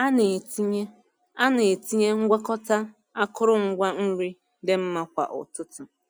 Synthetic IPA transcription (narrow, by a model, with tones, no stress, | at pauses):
a˦ne˨ti˦ɲe˦ | a˦ne˨e˨ti˦ɲe˦ŋ̩˦ɡʷa˦kɔ˦ta˦ | a˦kʊ˦ɾʊ˦ŋ̩˦ɡʷa˦n̩˦ɾi˦ | dɪ˦m̩˦ma˦kʷa̰˨ʔʊ̰˨tʊ˦tʊ˨